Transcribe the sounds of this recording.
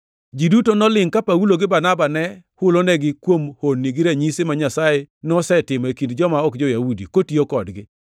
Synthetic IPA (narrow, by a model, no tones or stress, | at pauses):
d͡ʒidutonɔlɪŋkapauloɡɪbanabanɛhʊlonɛɡɪkwomhonːiɡɪɾaɲisemaɲasajenɔsɛtɪmekindd͡ʒɔmaɔkd͡ʒɔjaudikotiokɔdɡɪ